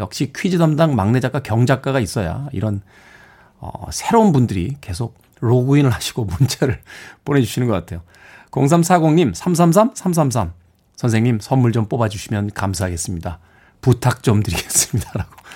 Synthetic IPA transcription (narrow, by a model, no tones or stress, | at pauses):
jʌk̚ɕ͈ikʰɥid͡ʑidamdaŋmaŋne̞d͡ʑak͈akjʌŋd͡ʑak͈̚aɣais͈ʌja̰ḭɾʌn | ʌ̰sʰe̞ɾounbundɯɾḭke̞sʰok̚ | ɾoɡuinɯɭɦaɕʰi̥ɡ̥omunt͡ɕʰeɾɯɭp͈one̞d͡ʑuɕʰinɯnɡʌk͈atʰe̞jo | koŋs̬ʰamsʰaɡoŋɲimsʰams̬ʰamsʰamsʰams̬ʰams̬ʰam | sʰʌnsʰe̞ŋɲimsʰʌmːuɭd͡ʑʌmp͈obad͡ʑuɕʰimjʌnkamsʰaɦaɡe̞s͈ɯmɲida | putʰak̚t͡ɕ͈ʌmdɯɾiɡes͈ɯ̥mɲidaɾaɡ̥o̥